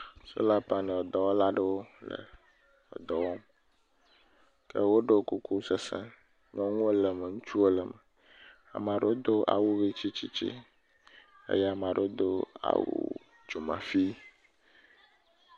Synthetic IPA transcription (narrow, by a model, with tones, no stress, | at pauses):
so̰˦la˦pa˨nɛ̃˨ɔ˨d̪ɔ˨wɔ˦la˦ɖe˦wo˦lə̰˨ | ɔ̰˨d̪ɔ˨wɔ˦m | kɛ˦wo˦ɖe˦ku˦kʰu˦sə˨sɛ̰̃˦ | ɲɔ̃˦ŋũ˦lə˨mə˨ŋũ˦t͡ʃu˦o˦lə˨mɛ˨ | a̰˨mã˨ɖe˦o˦d̪o˦ʔa̰˨wu˦wi˦t͡ʃi˦t͡ɕi˦t͡ɕḭ˦ | ḛ˦jɛ˦a˨m˨ã˨ɖe˨˦o˦d̪o˦a̰˨wṵ˦ | d͡ʒo˨mã̰˨fi˦